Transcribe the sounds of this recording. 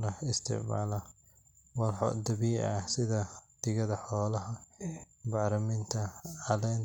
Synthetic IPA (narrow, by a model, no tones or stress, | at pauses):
ɾɐɪst̪ʰɪ̰ʕma̰ːlɐ | wɑlħɔ̰d̪ɐβiːʔɐ̰sɪðɐd̪̥ɪɣɐðɐħɔːlɐɦɐ | bɑːɾɐmɪnt̪ʰɐʕɑlɛːn